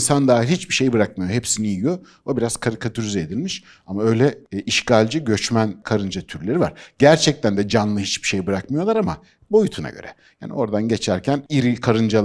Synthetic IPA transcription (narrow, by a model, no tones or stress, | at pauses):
nsand̪aːilʲhit͡ʃbiʃe̞jbɯɾak̚majo̞ɦepsinijijo̞ | obiɾaz̥kʰaɾikʰat̪ʰyɾyzɛːd̪ilʲmiʃ | amaø̞jlʲɛiʃcalʲd͡ʒiɟø̞t͡ʃmænkʰaɾɯnd͡ʒat̪ʰyɾlʲe̞ɾiva̰ɾ̥ɟæɾt͡ʃʰɛc̚t̪ʰænd̪ɛd͡ʒanlˠɯhit͡ʃbi̥ʃejbɯɾakmɯjo̞lˠaɾama | bo̞jut̪ʰuna̰ɟø̰ɾɛ̰ja̰ːnḭʔo̞ɾd̪anɟe̞t͡ʃʰæɾcʰæniɾikʰaɾɯnd͡ʒa